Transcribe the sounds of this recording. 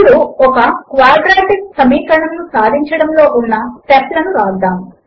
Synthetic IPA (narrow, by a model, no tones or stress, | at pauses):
luɔkɐkʋaːɾɖɾaːʈik̚sɐmiːkɐɳɐmnusaːd̪ʱiɲt͡ʃɐɽɐmlo̞ːʔunːɐʈɛslɐnuɾaːd̪aːm